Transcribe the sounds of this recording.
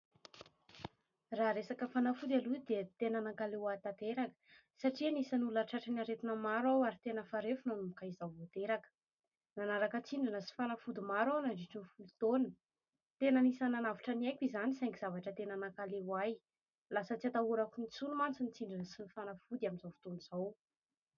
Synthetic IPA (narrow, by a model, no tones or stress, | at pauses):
raɦɾesakəfanafud̪ʲalud̪et̪enanakalewat̪at̪eɾakə̥ | saʈ͡ʂinisənulaʈ͡ʂaʈ͡ʂənaɾet̪inəmaɾwawaɾit̪enəfaɾefunanumukaizawvot̪eɾakə̥ | nanaɾakət͡siɳɖ͡ʐinəsi̥fanafud̪imaɾawnaɳɖ͡ʐiʈ͡ʂinifulut̪onə | t̪enənisananavḁʈ͡ʂanajkʲizanisajŋkiz̥avaʈ͡ʂət̪enanakalewaj | lasət͡siat̪auɾakunit͡sunumant͡sinit͡siɳɖ͡ʐinəsinifanafud̪iaminzavu̥t̪onuz̥aw